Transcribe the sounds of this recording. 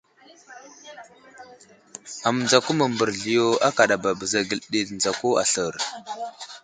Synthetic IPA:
a˨m˨nd͡za˨ku˦mə˨mbə˨ɾɮi˨jo˦a˦ka˨ɗa˨ba˨bə˨za˨ɡə˨lɗi˦˨ɬnd͡za˨ko˦a̰˨ɬə˨ɾ

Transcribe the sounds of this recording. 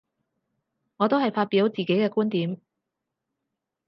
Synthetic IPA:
ŋɔː˨˧t̪o˥whɐ˨jfaː˧t̚piː˨˥wt͡siː˨ke˨˥jkɛː˧kuː˥nt̪iː˨˥m

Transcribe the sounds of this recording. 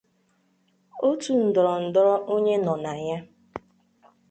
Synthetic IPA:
o˦tu˨n̩˨dɔ˨ɾɔ˨n̩˨dɔ˦ɾɔ˦ʔo˦ɲe˦nɔ˨na˨ja˦

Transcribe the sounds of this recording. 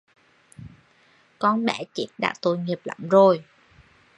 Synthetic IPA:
kɔ˧nɓɛː˧˩t͡ɕi˦˥t̚ɗa̰ː˧˥t̪o˧˩jŋi˨˩əp̚la̰˧˩mzo˨˩j

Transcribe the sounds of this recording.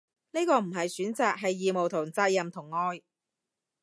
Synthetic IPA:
ne˥jkɔː˧m̩˨˩ɦɐ˨jsyː˨˥nt͡saː˨k̚ɦɐ˨jːiː˨mo˨wt̪ʰʊ˨˩ŋt͡saː˧t̚jɐ˨mt̪ʰʊ˨˩ŋːɔː˧j

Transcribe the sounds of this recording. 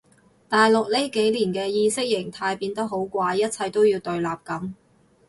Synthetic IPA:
t̪aː˨jlʊ˨k̚le˥ke˨˥jliː˨˩nkɛː˧jiː˧sɪ˥k̚jɪ˨˩ŋt̪ʰaː˧jpiː˧nt̪ɐ˥k̚ɦo˨˥wkʷaː˧jːɐ˥t̚t͡sʰɐ˧jt̪o˥wjiː˧wt̪ɵ˨˧ɥlaː˨p̚kɐ˨˥m

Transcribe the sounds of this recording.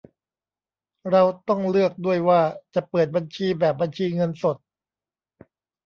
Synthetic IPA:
ɾa˧wt̪ɔ˥˩ŋlɯ˥˩ək̚du˥˩əjwaː˥˩t͡ɕa˨˩pɤː˨˩t̪̚ba˧nt͡ɕʰiː˧bɛː˨˩p̚bːa˧nt͡ɕʰiː˧ŋɤ˧nso˨˩t̪̚

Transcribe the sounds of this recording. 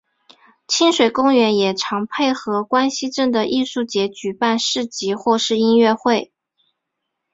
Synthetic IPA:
t͡ɕʰi˥nʂwe˨˩ɪkʊ˥ŋɥɛ˧˥njɛ˨˩ʈ͡ʂʰɑ˧˥ŋpʰe˥˩ɪxɤ˧˥kwa˥nɕi˧˥ʈ͡ʂə˥˩nd̪ə˩ʔi˥˧ʂu˥˩t͡ɕjɛ˧˥t͡ɕy˨˩pa˥˧nʂɻ̩˥˩t͡ɕi˧˥xwɔ˥˧ʂɻ̩˥˧i˥nɥɛ˥˧xwe˥˩ɪ

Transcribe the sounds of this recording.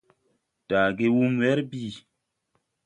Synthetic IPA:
d̥aː˨ɡe˦wu˦mwɛ˦ɾbi˦˨

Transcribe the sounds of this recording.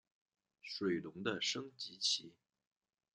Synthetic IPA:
ʂwe˨˩ɪlʊ˧˥ŋd̪ə˧ʂɤ˥ŋt͡ɕi˧˥t͡ɕʰi˧˥

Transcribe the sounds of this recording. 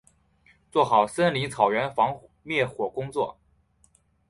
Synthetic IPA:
t͡swɔ˥˩xɑ˨˩ʊsə˥nli˧˥ŋt͡sʰɑ˨˩ʊɥɛ˧˥nfɑ˧˥ŋ | mjɛ˥˩xwɔ˨˩kʊ˥ŋt͡swɔ˥˩

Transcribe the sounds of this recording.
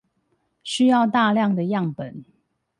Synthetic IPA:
ɕy˥jɑ˥˧ʊt̪a˥˧ljɑ˥˨ŋd̪ə˨jɑ˥˨ŋpə˨˩˦n

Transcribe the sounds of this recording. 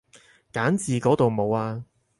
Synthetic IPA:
kaː˨˥nt͡siː˨˧kɔː˨˥t̪o˨wmo˨˧waː˧

